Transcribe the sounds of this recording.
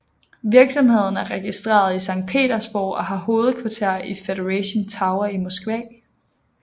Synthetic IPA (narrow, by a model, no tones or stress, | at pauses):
ʋiɐɡ̥sɒ̽mhe̝ð̞̰ˠn̩æɐʁɛɡ̥isd̥ʁḛːɐðˠisɑ̈ŋ̰d̥̚pʰe̝̰ːɾɐsb̥o̰ʊ̰ɒ̽ɦɑ̈ho̝ːð̞̩ˠkʰʋɑ̈t͡sʰeɐ̰ifeɾeʁɛɕont͡sʰɑ̈ʊɐimosɡ̥ʋɛ̰